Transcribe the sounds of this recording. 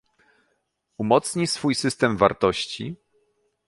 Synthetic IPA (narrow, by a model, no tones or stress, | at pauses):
umɔt̪sɲisfujsɘst̪ɛmva̰ɾt̪ɔɕt͡ɕḭ